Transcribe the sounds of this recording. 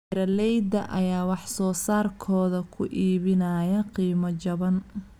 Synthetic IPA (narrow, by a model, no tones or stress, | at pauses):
ɪɾɐlɛjd̪ɐʔɐjaːwɑħsɔːsaːrkʰɔːðɐkʰʊʔiːβɪnɐːjɐqiːmɐt͡ʃɐβɐn